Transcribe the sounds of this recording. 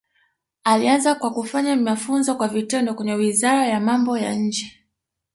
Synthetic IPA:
alianzakwakufaɲamafunzɔkwavitɛndɔkwɛɲɛwizaɾajamambɔja̰ɲ̩d͡ʒɛ

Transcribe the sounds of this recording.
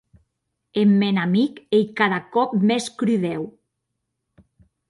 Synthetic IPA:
emːenamikejkaðakɔp̚meskɾyðɛw

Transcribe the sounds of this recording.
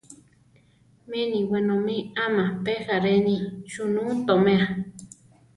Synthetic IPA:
mẽnĩwenõmĩamãpehaɾenĩʃunũt̪omẽa

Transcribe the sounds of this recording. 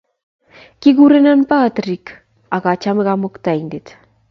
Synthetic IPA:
kiɣuɾenanpaːt̪rik | aɣat͡ʃameɣamokt̪ajnd̪et̪

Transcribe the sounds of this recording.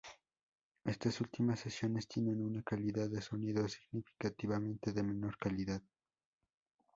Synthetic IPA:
e̞st̪asult̪imasːesjo̞ne̞st̪je̞ne̞nunakaliðaðːe̞so̞niðo̞siɣnifi̥kat̪iβamẽ̞nt̪e̞ðe̞me̞no̞ɾkaliðað

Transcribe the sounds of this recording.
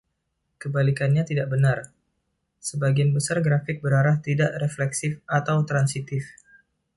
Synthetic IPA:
kəbalikanɲat̪idaʔbənar | səbaɡianbəsarɡɾafɪk̚bəɾaɾaht̪idaʔreflɛksɪfat̪awt̪ɾansit̪ɪf

